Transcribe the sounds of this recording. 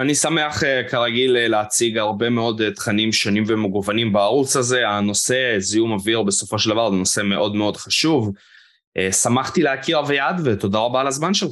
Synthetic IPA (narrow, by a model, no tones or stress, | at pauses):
anisameaχekaʁaɡilleat͡siɡaʁbe̞meo̞d̪t̪χanimʃonimvemeɡuvanimbaːʁut͡saze̞ano̞se̞ziumaviʁbe̞so̞fo̞ʃ̬eld̪avaʁzeno̞se̞me̞ʔo̞d̪me̞o̞d̪χaʃuv | ʔesamaχt̪ileakiʁavejad̪vet̪o̞d̪aʁabaːlazmanʃel